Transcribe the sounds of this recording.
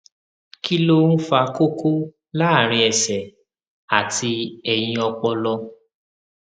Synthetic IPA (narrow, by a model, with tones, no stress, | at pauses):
ki˦lo˦n̩˦fa˧ko˦kʰo˦ | la˦a˦˨ɾ̃ĩ˧ɛ˨sɛ˨ | a˨tʰi˧ɛ˨j̃ĩ˧ɔ˧k͡pɔ˧lɔ˧